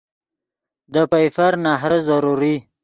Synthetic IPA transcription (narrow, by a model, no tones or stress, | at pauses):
d̪əpajfaɾnaɦɾəzaɾuɾi